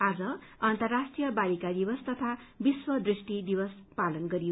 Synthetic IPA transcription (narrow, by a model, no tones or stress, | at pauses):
ad͡zʌʌnt̪ʌrːasʈrijʌbalikad̪ibʌst̪ʌt̪ʰabiswʌd̪risʈid̪ibʌspalʌnɡʌɾijo